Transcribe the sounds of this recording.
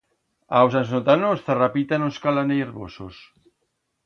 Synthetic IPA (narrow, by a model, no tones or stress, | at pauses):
awsansnot̪anosθarapit̪anoskalanejɾβo̰so̰s